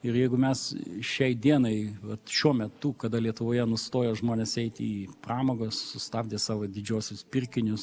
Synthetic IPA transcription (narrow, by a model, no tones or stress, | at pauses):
ɪɾjɛɪɡʊmʲɛsʃʲɛɪd̪ʲiɛnɐɪʋɐt̪ʃʲuɔmʲɛt̪ʊkɐd̪ɐlʲiɛt̪ʊʋoːjɛnʊst̪oːjɛʒmoːnʲeːsɛɪt̪ʲiːprɑːmoːɡoːssʊst̪ɑːbʲd̪ʲeːsɑːʋoːd̪ʲɪd͡ʒʲoːsʲʊspʲɪɾʲkʲɪnʲʊs